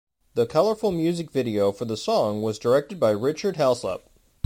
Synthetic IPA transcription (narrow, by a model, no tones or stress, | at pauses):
ðɨkʰʌlˠə˞fl̩ˠmjʉzɨkvɪɾioʊfə˞ðəsɔ̃ŋwʌzdə˞ɛk̚tɨd̚baɪɹɪt͡ʃə˞d̚ɦɛlˠslə̰p̚